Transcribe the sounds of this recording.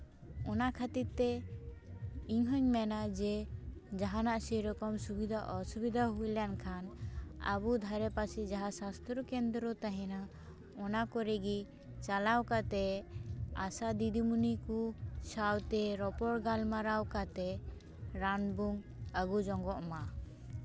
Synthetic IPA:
ɔnakʰat̪iɾt̪ɛ | iɲɦɔɲmɛnad͡ʒɛd͡ʒaɦanaʔsɛɾɔkɔmsubid̪ʱaʔɔsubid̪ʱaɦujljankʰana̰bud̪ʱaɾɛpasid͡ʒaɦasast̪ɾɔkɛnd̪ɾɔt̪aɦɛna | ɔnakɔɾɛɡi | t͡ʃalawkat̪ɛ | asad̪id̪imunikusawt̪ɛɾɔpɔɽɡalmaɾawkat̪ɛ | ɾanbuŋ | aɡud͡ʒɔŋɡɔʔma

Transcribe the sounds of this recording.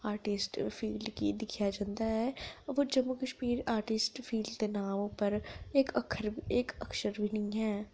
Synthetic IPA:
aːɾʈɪsʈpʰiːlɖkḭd̪ɪkʰijad͡ʒãːnd̪aɦɛʋod͡ʒəmːukəʃmiːɾaːɾʈɪsʈfʰiːlɖt̪enaːmpəɾekəkʰəɾeːkəkʃəɾbʱinĩɦɛː

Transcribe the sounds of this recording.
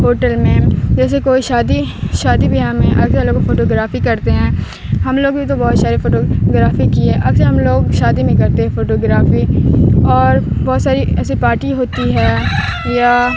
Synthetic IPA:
ɦoːʈəlmẽd͡ʒɛːsekoːiʃaːd̪iʃaːd̪ibʱiɦãmẽʔɐɡsaloːɡfoːʈoːɡɾaːfikɐɾt̪eɦɛ̃ː | ɦɐmloːɡbʱit̪obɔːt̪saːɾefoːʈoɡɾaːfikiɦɛːʔɐɡsaɦɐmloːɡʃaːd̪imẽkɐɾt̪eɦɛ̃foːʈoːɡɾaːfiɔːɾbɔːt̪saːɾiɛːsipaːɾʈiɦoːt̪iɦɛː | jaː

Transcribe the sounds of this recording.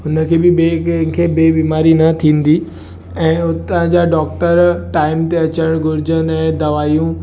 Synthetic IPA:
ɦʊnəkʰeːbɪbekʰeːbeːbiːmaːɾinɐt̪ʰĩːn̆d̪i | ɛ̃ːʊt̪ɦd͡ʑaːɖɔːkʈəɾʈaːɪmt̪eɐt͡ɕəɽ̃ɡʊɾɪd͡ʑənɛ̃ːd̪ɐʋaːjũ

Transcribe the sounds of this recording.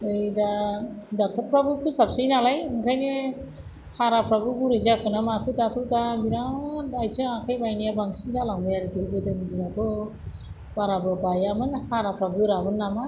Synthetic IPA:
ɯjdadak̚tʰaɾpɾabɯkʰɯsapsɯjnalajɯŋkʰajne | haɾapɾabɯbuɾɯzakʰɯnamakʰɯdatʰɯtabiɾaajtʰɯakʰajbajnijabaŋsiŋtʰalaŋbɯjaɾɯtʰɯɡɯdɯmd͡ʒinatʰɔ | baɾabɯbajamɯnhaɾapɾabɯɾabɯnːama

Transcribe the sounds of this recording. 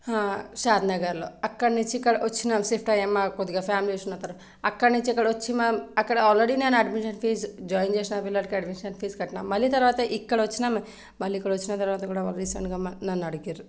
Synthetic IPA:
hãːʃaːd̪nɐɡɐɾlo̰ɐkːɐɽɐnit͡ʃʰikːɐɽɐʔot͡ʃːʰinamseːpʰʈajɐmːakod̪iɡapʰaːmliesunːɐt̪ɐɾ | ɐkːɐɽɐnĩɲt͡ʃʰiɐkːɐɽɐot͡ʃːʰimɐɐkːɐɽɐɔːlɾeɽinenɐɖmiʃɐnpʰiːsd͡ʒɔːjind͡ʒeːsnaːbilːɐʈkeɐɖmiʃɐnfʰiːskɐʈinamːɐlːit̪̬ɐɾʋaːt̪ɐʔikːɐɽɐot͡ʃʰːinam | mɐlːiikːɐɽɐot͡ʃːʰinɐt̪ɐɾʋaːt̪ɐkuːɽaaleɾisɐɳʈɡamnɐnːɐɽukiɾu

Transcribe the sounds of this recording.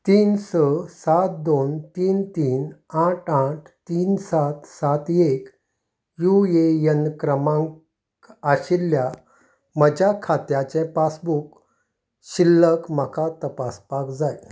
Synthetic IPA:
t̪iːnsəsat̪̚d̪ont̪iːnt̪iːnaʈaʈʰt̪iːnsat̪sat̪ek | juejənkɾəmãŋ | aɕilːja | məd͡ʑakʰat̪jat͡ɕẽpasbuk | ɕilːəkm̤əkat̪əpaspakd͡zaj

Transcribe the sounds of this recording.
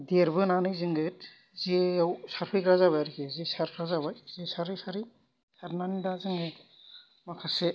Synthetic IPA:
deɾbɯnanɯjzɯŋɡɯt̚ | ziawsaɾpʰikɾazaβajɾikʰezesaɾpʰɾazaβajzesaɾɯjsaɾi | saɾnanidazɯŋɡɯj | makʰase

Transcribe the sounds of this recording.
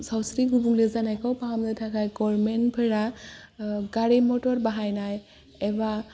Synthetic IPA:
sawsɾiɡubuŋlɛzanajkɔwpaamzatʰakʰajɡɔɹmɛnpʰeɹa | ɡaɹimɔtɔɹbaɦajnaj | ɛba

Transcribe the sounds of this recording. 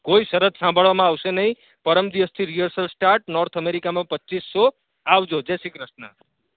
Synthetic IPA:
koisəɾət̪sãmbʱəɭamãːwsenəɦĩ | pəɾəmd̪iʋəst̪ʰiɾijəɾsəlsʈaɾʈ̚nɔɾt̪ʰəmeɾikamãpətːt͡ʃisːo | awd͡ʒod͡ʒesikɾəsna

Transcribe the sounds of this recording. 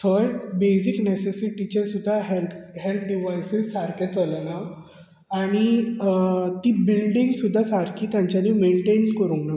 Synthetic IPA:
t̪ʰəjbesiknesesiʈit͡ɕasud̪ʱːaɦelɦelt̪̚ʰɖiʋajsissaɾkat͡səlana | aɽ̃i | t̪iːbilɖiŋɡsud̪ʱːasaɾkiːt̪jãɲt͡ɕjaniːmeɳʈeɳkəɾũːnak

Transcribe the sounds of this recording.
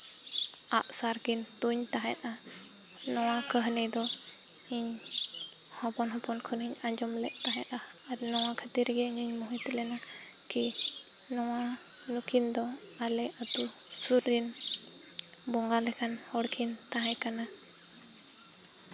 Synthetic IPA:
aʔsaɾkint̪uɲt̪aɦɛt̪̚ʔa | nɔwakəɦnɛd̪ɔ | iɲ | hɔpɔnɦɔpɔnkʰəniɲad͡ʒɔmlɛʔ̚t̪aɦɛt̪̚ʔaaɾnɔwakʰət̪iɾɡɛɲiɲmɔɦut̪lɛna | ki | nɔwa | nukʰind̪ɔ | alɛat̪usuɾin | bɔŋɡalɛkʰanhɔɽkʰint̪aɦajkana

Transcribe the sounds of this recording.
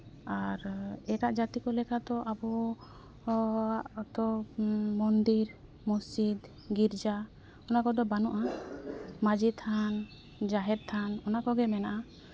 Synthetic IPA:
aɾɛɾaʔd͡ʒat̪ikɔlɛkʰat̪ɔʔabɔ | ʔt̪ɔmɔnd̪iɾ | mɔsid̪ | ɡiɾd͡ʒa | ɔnakɔd̪ɔbanɔʔa | mad͡ʒit̪ʰan | d͡ʒaɦɛd̪̚t̪ʰanɔnakɔɡɛmɛnaʔa

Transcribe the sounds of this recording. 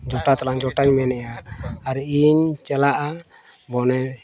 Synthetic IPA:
d͡ʒɔʈat̪alaŋd͡ʒɔʈaɲmɛnɛjaːɾiiɲt͡ʃɛlaʔa | bɔnɛ

